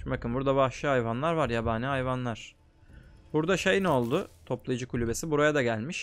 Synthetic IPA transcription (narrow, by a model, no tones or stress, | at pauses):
bakɯnbuɾd̪aβaʃˠɯajvanlˠaɾvaɾjabaːnɯajvanlˠaɾ̥ | b̥uɾd̪aʃejnɛo̞lˠd̪ʊt̪ʰo̞plˠajd͡ʒɯkʰulʲybe̞sibuɾajad̪aɟælʲmiʃ